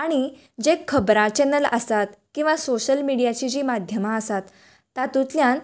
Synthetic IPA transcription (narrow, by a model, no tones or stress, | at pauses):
aɽ̃i | d͡ʑekʰːəbɾãt͡ɕɛnələ̰sat̪kĩw̃ʋasoɕəlmiɽijat͡ɕiːd͡ʑiːmad̪ʱjəmaəsat̪ː | at̪ũt̪ljãn